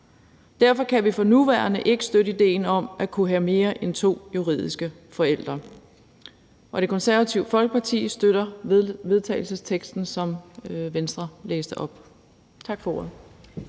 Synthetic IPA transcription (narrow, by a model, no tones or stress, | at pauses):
d̥æɐfɒ̽kʰæʋifɒ̽nuʋæːɐnəʔe̝ɡ̥əsd̥øɾəid̥e̝̰ːnɒ̽mækʰuɦæme̝ːɐʔent͡sʰo̝̰ːjuʁḭð̰ˠisɡ̥ə | fɒ̽el̰d̥ʁɐ | ʔɒ̽ɾ̥e̝kʰɒ̽nsæɐʋæt͡sʰiʊfɒ̽lɡ̥əpʰɑ̈t͡sʰḭːsd̥øɾ̥ɐʋe̝ðˠt͡sʰɛ̰ɪlsəst͡sʰeɡ̥sd̥n̩sɒ̽mʋensd̥ʁɐlḛːsd̥əʔɒ̽b̥ | t͡sʰɑ̈ɡ̥fɒo̝ɐ̰ð̩ˠ